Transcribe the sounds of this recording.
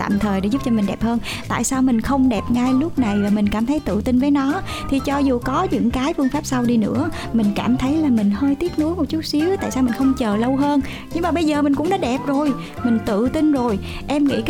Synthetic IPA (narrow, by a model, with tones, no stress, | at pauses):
t̪a̰ː˧˨mt̪ʰəː˨˩jɗe˧˥zu˦˥p̚t͡ɕɔ˧mï˨˩ŋ̟ɗɛ˨˩p̚həː˧n | t̪a̰ː˧˨jsaː˧wmï˨˩ŋ̟xə˧wŋ͡mɗɛ˨˩p̚ŋa˧jlʊ˦˥p̚na˨˩jvaː˨˩mi˨˩ŋ̟kaː˧˩mt̪ʰə˨˦jt̪ɨ̰˧˨t̪ï˧nvəː˨˦jnɔ˨˦ | t̪ʰi˨˩t͡ɕɔ˧zu˨˩kɔ˨˦ɲɨ̰˧˥ŋkaː˨˦jfɨ˧əŋfaː˦˥p̚sa˧wɗi˧nɨ̰˧˥ə | mï˨˩ŋ̟kaː˧˩mt̪ʰə˨˦jlaː˨˩mï˨˩ŋ̟həː˧jt̪i˦˥ət̚nu˨˦əjmo˨˩t̚t͡ɕu˦˥t̚si˨˦əwt̪a̰ː˧˨jsaː˧wmï˨˩ŋ̟xə˧wŋ͡mt͡ɕəː˨˩lə˧wɦəː˧n | ɲɨ˧ŋmaː˨˩ɓə˧jzəː˨˩mï˨˩ŋ̟kʊ̰˧˥ŋ͡mɗɔ˨˦ɗɛ˨˩p̚zo˨˩j | mï˨˩ŋ̟t̪ɨ̰˧˨t̪ï˧nzo˨˩j | ʔɛ˧mŋḭ˧˥k